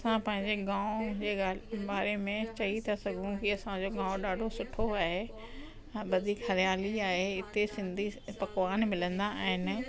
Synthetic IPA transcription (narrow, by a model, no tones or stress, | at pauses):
ɐsãpɐ̃ɦɪ̃ɲd͡ʑeɡãːʊ̃d͡ʑeːaːbaːɾemẽt͡ɕɐit̪ʰasɐɡʱũkiɐsãd͡ʑoɡãːʊ̃ɗaːɖʱosʊʈʰoaːɦe | bɐd̪ʱikhɐɾɪjaːliaːɦeɪt̪esɪ̃nd̪ʱipɐkʋaːnmɪlə̃nd̪aːɦɪnɪ̆